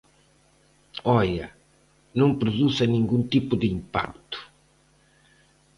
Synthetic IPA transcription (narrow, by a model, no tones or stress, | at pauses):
ɔʎɐ | nɐ̃ŋpɾuðusɐnĩŋɡũnt̪ipʊðɪimpa̰k̚t̪ʊ̥